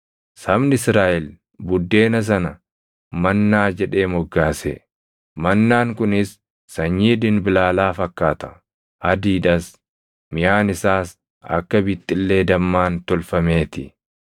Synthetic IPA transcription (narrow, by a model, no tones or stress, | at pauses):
sɐbnɪɪsɾaːʔɛl | bʊd̪ːe̞ːnɐs̬ɐnɐ | mɐnːaːd͡ʒɛᶑe̞ːmɔɡːaːsɛ | mɐnːaːŋkʊnɪsː | ɐɲːiːd̪ɪnbɪlaːlaːfɐkːaːt̪ɐ̥ | ʔɐd̪iːᶑɐs | mɪjaːnɪsaːs | ɐ̰kːɐbit̪ʼːɪlːe̞ːd̪ɐmːaːnt̪ɔlfɐme̞ːt̪ɪ